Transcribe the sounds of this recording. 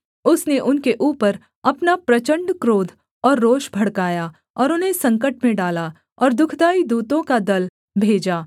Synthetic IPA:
ʊsneʔʊnkeʔuːpəɾ | ɐpnapɾɐt͡ʃə̃ɳɖkɾoːd̪ʱ | ɔːɾːoːʃbʱɐɽkaːja | ɔːɾʊnɦesɐ̃ŋkəʈmẽɖaːla | ɔːɾd̪ʊkʰd̪aːid̪uːt̪õkad̪ɐl | bʱeːd͡ʒaː

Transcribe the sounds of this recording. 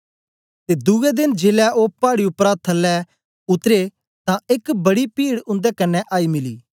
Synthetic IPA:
t̪ed̪ʊɛd̪ɪnd͡ʒeːlɛopaːɽiʊpɾaːt̪ʰɐlːɛ | ʊt̪ɾe | t̪ãɪkbɐɽipiːɽʊ̃nd̪ɛkɐnːɛʔaːimɪlḭː

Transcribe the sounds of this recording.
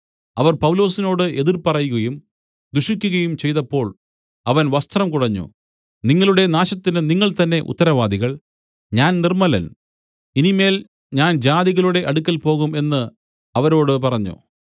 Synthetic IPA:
ɐʋɐrpɐwlo̞ːsino̞ːɽɨʔe̞ðirpɐrɐjuɣɐjum | d̪uʂikʲːuɣɐjumt͡ɕe̞jt̪ɐpːo̞ːɭ | ɐʋɐnʋɐst̪rɐmkuɽɐɲːṵ | niŋːɐɭuɽe̞naːɕɐt̪ːinɨniŋːɐɭt̪ɐnːe̞ʔṵt̪ːɐɾɐʋaːd̪iɣɐɭ | ɲaːnnirmɐlɐ̰n | inime̞ːl | ɲaːnd͡ʑaːðiɣɐluɽe̞ʔɐɽukʲːɐlpo̞ːɣume̞nːɨ | ɐʋɐɾo̞ːɽɨpɐrɐɲːṵ

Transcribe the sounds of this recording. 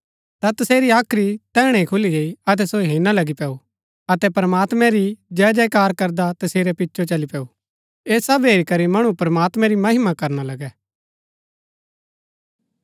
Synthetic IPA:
t̪at̪ɐseːɾiaːkʰɾit̪ɛːɽ̃ɛ̃ikʰʊliɡeːiɐt̪̬ɛsoɦeːnalɐɡipɛːu | ɐt̪ɛpɐɾəmaːt̪mɛ̃ɾid͡ʒɛːd͡ʒɛkaːɾkɐɾd̪at̪ɐseːɾɛpɪtːʃʰot͡ʃɐlipɛːu | eːsɐbɦeːɾikɐɾimɐɽ̃upɾɐmaːt̪mɛ̃ɾimɐɦɪmakɐɾnalɐɡɛː

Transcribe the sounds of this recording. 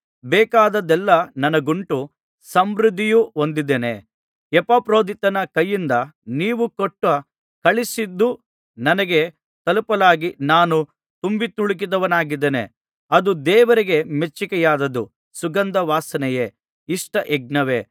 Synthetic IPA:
bɛːkaːd̪ɐd̪ɛlːɐnɐnɐɡuɳʈu | sɐmɾud̪ʱːijuond̪id̪ːenḛ | ɛpapɾo̞ːd̪ʱit̪ɐnɐkɐjːind̪ɐniːʋukoʈːʋɐ | kɐɭisid̪ːu | nɐnɐɡe̞ | t̪ɐlupɐlaːɡinaːnu | t̪umbit̪uɭik̬id̪ɐʋɐnaːɡid̪ːenḛ | ɐd̪ud̪ɛːʋɐɾiɡe̞met͡ʃːikɛjaːd̪ɐd̪u | suɡɐnd̪ɐʋaːsɐnɛje | iʂʈɐʔɛɡ̚nɐʋe̞

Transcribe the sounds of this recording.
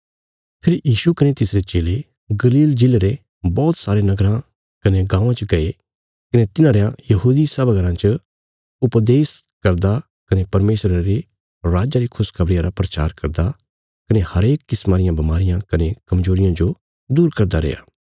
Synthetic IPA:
pʰɪɾjiːʃukɐnet̪ɪsɾet͡ʃeːle | ɡɐliːld͡ʒɪleɾe | bɔːt̪saːɾenɐɡɾã | kɐneɡãːãt͡ʃəɡɐe | kɐnet̪ɪnãːɾejãjɐɦuːd̪isɐbəɡɐɾãt͡ʃə | ʊpd̪eːs | kɐɾd̪a | kɐnepɐɾmeːsɾaɾe | ɾaːd͡ʒaɾikʰʊskʰɐbɾɪjãɾapɾɐt͡ʃa̰ːɾkɐɾd̪a | kɐnehɐɾeːkːɪsmaːɾɪjãbɐmaːɾɪjãkɐnekɐmzoːɾɪjãd͡ʒo | d̪uːɾkɐɾd̪aɾḛːja̰ː

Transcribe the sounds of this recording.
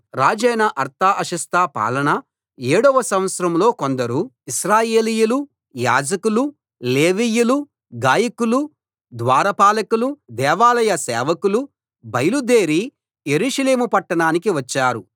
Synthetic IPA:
ɾaːd͡ʒɐjnɐʔɐɾt̪aːʔɐʃɐst̪aːpa̰ːlɐɳɐ | eːɽɔʋɐsɐmʋɐt̪sɐɾɐmlo̞ːkond̪ɐɾu | iʃɾaːje̞ːlijulu | jaːd͡ʒɐkulu | leːʋiːjulu | ɡaːjɐkulu | d̪ʋaːɾɐpaːlɐkulud̪ɛːʋaːlɐjɐsɛːʋɐkulu | bɐjɐlud̪eːɾi | jeɾuːʂɐle̞ːmupɐʈːɐɳaːnikiʋɐt͡ʃːaːɾu

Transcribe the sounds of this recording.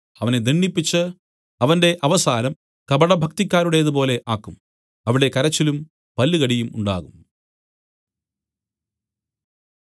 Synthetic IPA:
ɐʋɐned̪ʱiɳːipːit͡ɕːɨ | ɐʋɐnde̞ʔɐʋɐsaːnɐm | kɐbɐɽɐbʱɐkt̪ikʲːaːɾuɽe̞ðɨpo̞ːle̞ʔaːkːum | ɐʋiɽe̞kɐɾɐt͡ɕːilum | pɐlːɨɣɐɽijumṵɳɖa̰ːɣṵm

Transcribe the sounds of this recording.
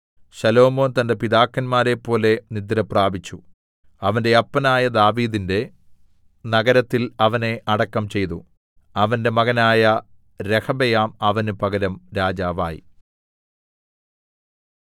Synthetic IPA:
ɕɐlo̞ːmo̞ːnt̪ɐnde̞piðaːkːɐnmaːɾe̞pːo̞ːle̞nid̪ːɐɾɐpraːbit͡ɕːu | ɐʋɐnde̞ɐpːɐnaːjɐd̪aːʋiːðinde̞ | nɐɡɐɾɐt̪ːilɐʋɐne̞ʔɐɽɐkːɐmt͡ɕe̞jt̪u | ɐʋɐnde̞mɐɣɐnaːjɐ | ɾe̞kɐbejaːmɐʋɐnupɐɡɐɾɐmɾaːd͡ʑaːʋaːjḭ

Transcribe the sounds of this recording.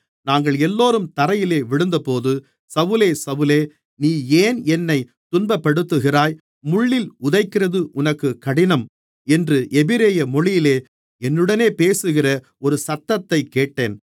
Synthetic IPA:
naːŋɡɐɭɛlːoːɾɯmt̪ɐɾɐjɪleːʋɪɽɯnd̪ɐpoːðɯ | sɐʋɯleːsɐʋɯleː | niːeːnɛnːɐɪ | t̪ʊnbɐpːɐɽɯt̪ːɯɣɪraːj | mʊɭːɪlʊðɐɪkːɪrɐðɯʔʊnɐkːɯkːɐɽɪnɐm | ɛndrɯʔɛbɪɾeːjɐmɔɭɪjɪleː | ɛnːɯɽɐneːpeːsɯɣɪrɐ | ɔɾɯsɐt̪ːɐt̪ːɐɪkːeːʈːeːn

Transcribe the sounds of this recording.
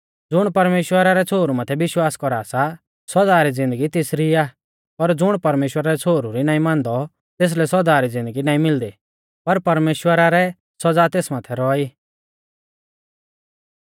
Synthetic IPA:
d͡zʊɽ̃pɐɾmeːʃwəɾaɾɛt͡sʰoːɾumat̪ʰɛbɪʃwaːskɔɾaːsa | sɔd͡zaːɾid͡zɪ̃nd̪əɡit̪ɪsɾia | pɐɾd͡zʊɽ̃pɐɾmeːʃwəɾaɾɛt͡sʰoːɾuɾinãːĩmãːnd̪ɔ | t̪eːs̬lɛsɔd̪aːɾid͡zɪ̃nd̪əɡinaːĩmɪld̪i | pɐɾpɐɾmeːʃwəɾaɾɛ | sɔd͡zat̪eːsmaːt̪ʰɛɾɔiː

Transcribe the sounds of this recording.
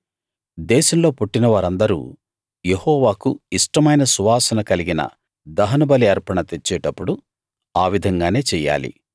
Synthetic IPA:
d̪ɛːʃɐmlo̞ːpoʈːinɐʋaːɾɐnd̪ɐɾṵː | je̞hɔːʋaːkuiʂʈɐmɐjnɐsuʋaːsɐnɐkɐliɡinɐ̰ | d̪ɐɦɐnɐbɐliɐɾpɐɳɐt̪e̞t͡ʃːɛːʈɐpːuɽu | aːʋid̪ʱɐŋɡaːne̞ːt͡ʃɛːja̰ːlḭ

